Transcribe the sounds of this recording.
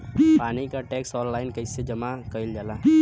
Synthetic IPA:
paːnikaʈeːksɔːnlaːɪnkəɪsed͡ʒɐmakəild͡ʒaːla

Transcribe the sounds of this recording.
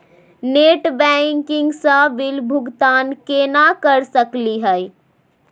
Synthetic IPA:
neːʈbɛŋkɪŋɡsəʋɪlbʱʊɡt̪aːnkenakəɾsəkliɦə

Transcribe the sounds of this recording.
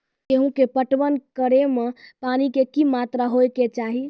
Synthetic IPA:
keɦũkepəʈʋənkəɾemepanikekimat̪ɾaɦojket͡ʃaɦi

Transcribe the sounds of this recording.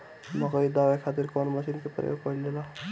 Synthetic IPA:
məkəid̪awekʰat̪iɾkɔnməsinkepɾjo̰pəilːela

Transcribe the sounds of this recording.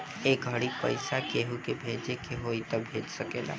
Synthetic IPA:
eːkɡʱəɽipə̰ɪsakeɦukebʱeːd͡ʒekeɦoːit̪ɔbʱeːd͡ʒsəkeːla̰ː

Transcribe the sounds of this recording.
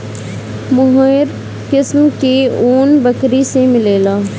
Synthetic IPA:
mʊɦəɾ | kɪsmkeoːnbəkɾisemɪleːlaː

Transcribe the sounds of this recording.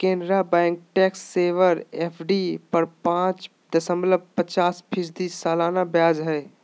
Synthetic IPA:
kẽndɾabɛ̃ŋk̚ʈɛksːeːʋəɾepʰɖipəɾpãt͡ʃ | t̪əsəmbləb̚pət͡ʃaːspʰid͡ʒd̪isaːlanabjaːd͡ʒɦəɪ

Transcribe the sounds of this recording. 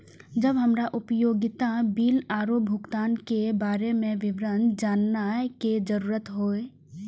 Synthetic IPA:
d͡ʒəbɦəmɾaʔʊpəjoːɡɪt̪abiːlaːɾoːp̚bʱʊkt̪aːnkebaːɾemẽʋɪʋɾənd͡ʒaːnːaɛked͡ʒəɾuːɾət̪ɦoːe

